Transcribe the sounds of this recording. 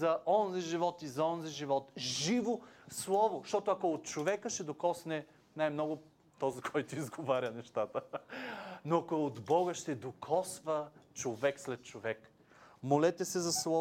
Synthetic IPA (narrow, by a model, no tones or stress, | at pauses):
zɐʔɔnziʒivɔt̪izɐɔnziʒivɔt̪ʒivoslˠɔvoʃt̪ɔt̪ʊɐkoot̪̚t͡ʃovɛkəʃɛd̪okɔsnɛ | najmnɔɡʊ | t̪ɔzikʰɔjt̪ʊizɡovaɾʲənɛʃt̪at̪ə | noɐkoɛod̪bɔɡəʃt̪ɛd̪okʰɔsvət͡ʃovɛkslɛt̪̚t͡ʃovɛk | molɛt̪ɛsɛzɐslˠɔ